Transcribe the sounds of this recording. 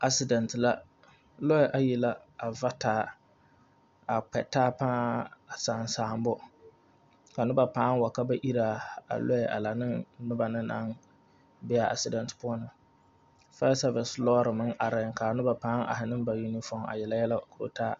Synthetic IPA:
ʔa˦sɪ˨dɛ˨ntɨ˨la˦ | lɔ˦ɛ˦ʔa˦jɛ˨la˦a˨va˦taː˦ | a˨k͡pɛ˨taː˦pãː˦a˨saː˨nsaː˨˦˨m˦bʊ˦ | ka˨nʊ˦ba˨paː˦ŋ˦wa˨ka˦ba˦ʔi˦ɾa˨a̰˨lɔ˦ɛ˨ʔa̰˨la˨nɨ˦ŋnʊ˦ba˨nɨ˦na̰˦n | bɛ˦a˨ʔa̰˨sɪ˨dɛ˨ntɨ̥˨pʊ˦ɔ˦nɨ˨ | fa˦sa˦vɛ˨slɔː˦ɾɨ˨mɨ˦ŋʔa˨ɾɪ˨ŋka˨nʊ˦ba˨pãː˦ŋa̰˨hɪ˨nɨ˦m˦ba˨ji˦ni˦fɔ˦˨a̰˨jɛ˨la˦jɛ˦la˦kʊ˨ɾo̰˨taː˦

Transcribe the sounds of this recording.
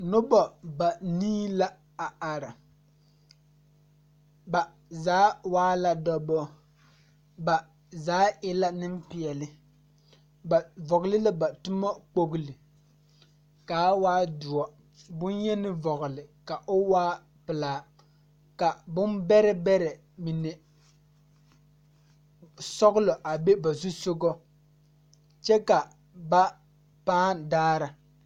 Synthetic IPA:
nʊ˦bɔ˨ba˨niː˦la˦ | a˨a˨ɾa˨ | ba˨ | zaː˨˦waː˦la˦dɔ˨bɔ˦ | ba˨ | zaː˦ɪ˦la˦nɪ˦mpi˨ɛ˨lɪ˦ | ba˨vɔ˨ɣlɪ˦la˦ba˨tʊ˦mɔ˦k͡po˦ɣɨ˨lɪ˨ | kaː˨˦waː˦dʊ˨ɔ˨ | bʊ˦njɛ˦nɪ˦vɔ˨ɣʊ˨lɪ˨ka˨ʔʊ˦waː˦ | pɪ˨laː˨˦ | ka˨bʊ˦nbɛ˦ɾɛ˦bɛ˦ɾɛ˨ | mi˨nɛ˨ | sɔ˦ɣʊ˦lɔ˨ʔa˨be˦ba˨zu˦so˦ɡɔ˦ | t͡ʃɛ˦ka˨ | ba˦ | paː˦daː˦ɾa˨

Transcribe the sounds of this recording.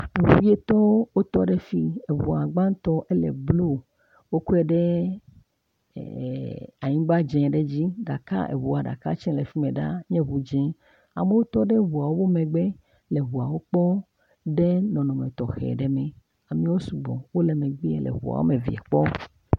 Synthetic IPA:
e˨ɦu˨i˦e˦t̪ɔ˦wo˦t̪ɔ˦ɖɛ˦fi˦e˨βu˨a˨ɡ͡ba˦n˦t̪ɔ˦ʔɛ˦lɛ̰˨blu˦ | wo˦ku˦ɛ˦ɖɛ˦ | a˨ɲĩ˦ɡ͡ba˦d͡ʒɛ̃˨ɖe˦d͡ʑi˦ɖa˨ka̰˦ʔḛ˨wu˨a˨ɖa̰˨ka̰˦t͡ʃɛ̃˦le˨fi˦mẽ˨ɖa˦ɲɛ̃˦βu˨d͡ʒɛ̃˦ | a̰˨me˦wo˦t̪ɔ˦ɖɛ˦ɦu˨a˨wo˦wo˦mẽ˨ɡ͡bɛ˦ | lɛ˨βu˨a˨wo˦k͡pɔ˦ | ɖe˦nɔ̃˨nɔ̃˨mɛ̃˨t̪ɔ˨xɛ̰˨ɖɛ˨˦mɛ̃˨ | a˨mĩ˦wo˦su˨ɡ͡bɔ̰̃˨wo˦lɛ˨mẽ˨ɡ͡bi˦e˦lḛ˨βṵ˨a̰˨wo̰˦me˨vḭ˨a̰˨k͡pɔ˦

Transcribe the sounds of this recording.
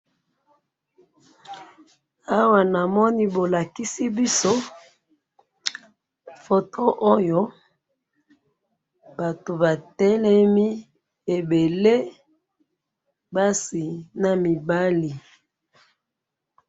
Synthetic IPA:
a˦wa˨na˨mɔ˦ni˦bo˨la˨ki˦si˦bi˦so˦ | fo˨tʰo˦ʔo˦jo˦ | b̥a˨to˨ba˨tɛ˦lɛ˦mi˦ | e˨be˨le˦ | ba˦si˨na˨mi˨ba˦li˨

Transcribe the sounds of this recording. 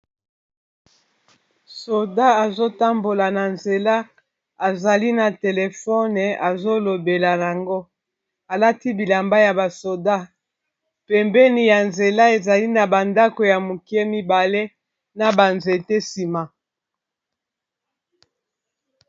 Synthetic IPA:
so˨da˦a˨zo˦ta˦mbo˨la˨na˨nze˨la˦ | a˨za˨li˦na˨te˨le˨fɔ˦nɛ˨a˨zo˦lo˨be˨la˨ja˨ŋɡo˦ | a˨la˦ti˦bi˨la˨mba˦ja˨ba˨so˨da˦ | pɛ˨mbɛ˦ni˨ja˨nze˨la˦e˨za˨li˦na˨ba˨nda˦ko˨ja˨mu˨ki˦ɛ˦mi˦ba˨le˦ | na˨ba˨nze˨te˦si˨ma˨

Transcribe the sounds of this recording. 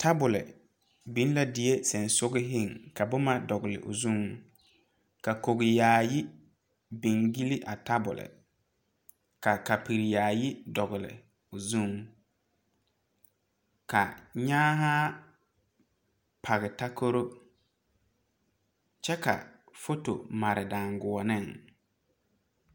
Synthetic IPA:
tʰa˦bʊ˨lɪ̰˨ | bi˨˦n˦la˦dɪ˨˦e˦sɛ˨nsʊ˦ɡɪ˦ɦɪ˦˨ŋka˨bʊ˦ma˦dɔ˨ɣɪ˨lɪ̰˨ʔʊ̰˨zu˦ŋ | ka˨ko˨ɣɪ˨jaː˨jɪ˦ | bi˨ŋɡi˦lɪ˦ʔa˨ta˦bʊ̰˨lɪ̰˨ | ka˨ka˨pi˨ɾi˨jaː˨jɪ˦dɔ˨ɣɪ˨lɪ̰˨ | ʊ˨zu˦˨ŋ | ka˨ɲaː˦ɦa˦ | pʰa˨ɣɪ˨ta˦ko˦ɾo˦ | t͡ʃɛ˦ka̰˨ | fo˦to̰˨ma˨ɾɪ˨da˨ŋɡʊ˨ɔ˨nɪ˦˨ŋ

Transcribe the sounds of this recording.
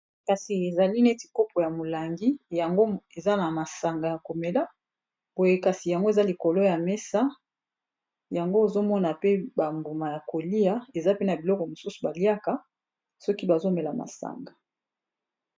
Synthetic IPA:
ka˨si˨e˨za˨li˦ne˦ti˨ko˦pʰo˨ja˨mo˨la˨ŋɡi˦ja˨ŋɡo˦e˨za˦na˨ma˨sa˨ŋɡa˨ja˨ko˨me˨la˦ | b̥o˨je˦ka˨si˨ja˨ŋɡo˦e˨za˦li˨ko˨lo˦ja˨mɛ˦sa˦ | ja˨ŋɡo˦e˨zo˦mɔ˦na˨pe˦ba˨mbu˨ma˨ja˨ko˨li˦a˦e˨za˦pe˦na˨bi˨lɔ˦kɔ˨mo˨su˦su˨ba˨li˦a˦ka˦ | sɔ˦ki˦ba˨zo˦mɛ˨la˨ma̰˨sa̰˨ŋɡa˨

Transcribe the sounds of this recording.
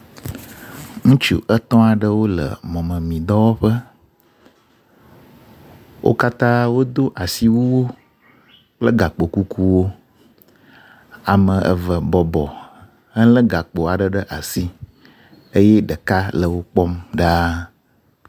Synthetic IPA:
ŋũ˦t͡ʃu˨ʔə˦t̪ɔ̃˦a˨ɖə˦wo˦lə̰˨mɔ̃˨mə̃˨mĩ˨d̪ɔ˦wo˦ɸə˦ | wʔo̰˦ka˦t̪ã˦wo˦d̪o˦ʔa˨si˦wu˦wo˦ | k͡plə˦ɡa˨k͡po˨ku˦ku˦wo˦ | a˨mə̃˨ʔə̰˨və˨bɔ˨bɔ˨ | ə˦lə˦ɡa˨k͡po˨a˨ɖə˨ɖə˦ʔa˨si˦ | ə˦jɛ˦ɖə˨ka˦lə˨wo˦k͡pɔ˦mɖa˦

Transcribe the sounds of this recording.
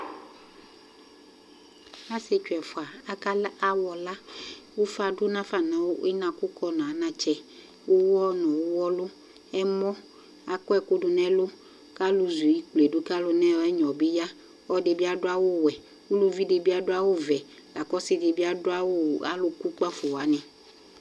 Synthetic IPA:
a˦se˦t͡ʃu˨ɛ˨fo˨a˨a˦ka˦la˦wɔ˨la˦wo˦fa˨ɖo˦nã˦fa˨nã˨˦wo˦ʔe˦nã˨ku˦kɔ˦nã˨a˨˦nã˦t͡ʃɛ˦ | wo˦wɔ˦nɔ̃˨wo˦wɔ˦lo˦ | ɛ˦mɔ̃˦ | a˨kɔ˦ɛ˦ko˦ɖʊ˨nɛ̃˦lo˦ | ka˦lu˨zu˨ji˦k͡ple˨do˦ka˦lo˨nɛ̃˦wɛ˦ɲɔ̃˨be˦ja˦ | wɔ˦de˨bi˦a˦dʊ˦a˦wo˦wɛ˨ | wu˦lu˦vi˦de˨bi˦a˦ɖʊ˦a˦wo˦vɛ˨ | la˨kɔ˦sɪ˦de˨bi˦a˦dʊ˦a˦wo˦˨a̰˦lo˦ku˦k͡pa˦fo˨wa˨˦nɛ̃˨

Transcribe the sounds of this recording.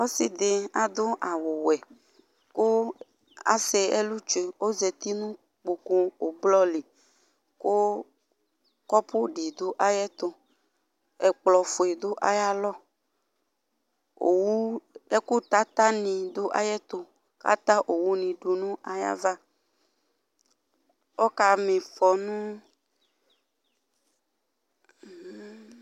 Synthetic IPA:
o˦sɪ˦˨d̪e˨a˨d̪o˦ʔa˨wʊ˨wɛ˨ | ko˦ | a̰˦se˨ɛ˦lu˦t͡ʃe˨o˦ze˨t̪i˦nũ˦ | k͡po˨ko˦o˨blɔ˦li˨ | ko˦ | kɔ˦pʰʊ˦ɖi˨d̪o˦ʔa˦jɛ˦t̪o˦ | ɛ˨k͡plɔ˨fo˨e˨d̪o˦ʔa˨ja˦lɔ˦ | o̰˨wu˦ɛ˦ku˦t̪a˦t̪a˦nĩ˨d̪o˦ʔa̰˦jɛ˦t̪o˨ | ka̰˦t̪a˦ʔo˨wu˦nĩ˨ɖo˨nũ˦ʔa˨ja̰˦va˦ | wɔ˦ka˨mẽ˨fɔ˨nũ˦˨˦

